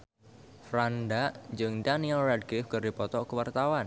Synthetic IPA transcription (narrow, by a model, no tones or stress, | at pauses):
fɾandaʔɲd͡ʒɨŋdanialrad̚ɡɪfkərdipɔt̪ɔkəwart̪awan